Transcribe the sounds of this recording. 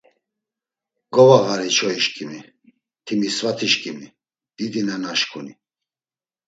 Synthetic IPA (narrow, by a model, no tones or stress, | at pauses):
ɡ̥ɔvaɣaɾit͡ʃʰɔiʃkʼimi | t̪ʰimisvat̪ʰiʃkʼimi | d̪̥id̪inanaʃkʰʼuni